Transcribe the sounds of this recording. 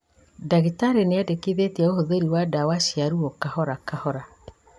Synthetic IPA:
daɣitaɾeneadekiðetiaohoðeɾiwadawaʃiaɾuokahɔɾakahɔɾa

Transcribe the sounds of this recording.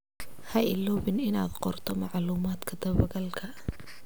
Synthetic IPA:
hɐʔɪlɔːβɪnɪna̰ːd̪qɔrt̪ʰɔmɑʕluːmaːd̪kʰɐd̪ɐβɐɣɐlkʰɐ

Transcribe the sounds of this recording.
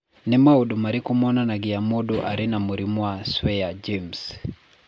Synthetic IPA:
nɛmauɗumaɾikumɔnanaɡiamɔɗuʔa̰ɾinamuɾimwaswɛjad͡ʒems

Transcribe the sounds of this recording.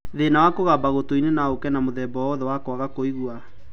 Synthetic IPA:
ðenawakoɣabaɣotoinenaokɛnamoðɛbɔɔðɛwakɔaɣakoiɣua

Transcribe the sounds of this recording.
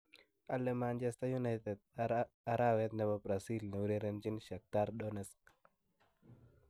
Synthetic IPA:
alɛmant͡ʃɛst̪ajunajt̪ɛd̪̚ | aɾawɛt̪̚nɛbabɾasilnɛwuɾeɾɛnd͡ʒinʃak̚taɾdɔnɛsk

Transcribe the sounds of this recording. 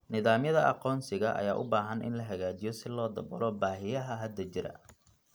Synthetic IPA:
nɪðaːmjɐðɐʔɑ̰qɔːnsɪɣɐʔɐ̰jaːʔʊbaːɦɐnʔɪ̰nlɐɦɐɣaːt͡ʃɪjɔsɪlɔːd̪ɐbɐ̰ɾɔːbaːɦɪjɐɦɐɦɐd̪ɐt͡ʃɪɾɐ̰

